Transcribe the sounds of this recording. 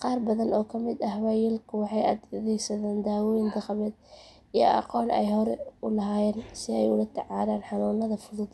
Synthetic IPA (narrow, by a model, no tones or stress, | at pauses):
qɑːrbɐðɐnɔːkʰɐmɪd̪ɐhwaːjɛlkʰʊwɑħɑjɐd̪ðɛjsɐðaːnd̪aːwɔːjɪnd̪ɐqmɛːd̪ | ijɔ̰ʔɑ̰qɔːnɛ̰jhɔɾɛʊlɐɦaːjɛːnsɪɛjʊlɐt̪ʰɛʕɑːðaːnħɑnuːnɐðɐfʊðʊd̪